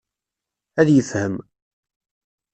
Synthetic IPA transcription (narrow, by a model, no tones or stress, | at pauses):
æðjəfhəm